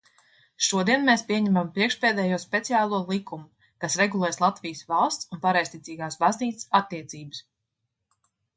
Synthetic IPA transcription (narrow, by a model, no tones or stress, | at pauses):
ʃuɔd̪iɛnmeːspiɛɲɛmampɾiɛkʃpeːd̪ɛːjuɔspʲɛt̪siaːlˠuɔlˠikumu | kasɾeɡulˠɛːjslˠat̪vijsvalˠst̪sunpaɾajst̪it̪iːɡaːsbazniːt̪ɨ̥sat̪ːiɛt̪siːbɨ̥s